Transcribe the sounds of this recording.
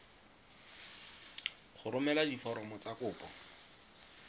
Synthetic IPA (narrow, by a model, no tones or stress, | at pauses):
χʊɾʊmɛladifɔɾɔmɔt͡sakʊːpɔ̰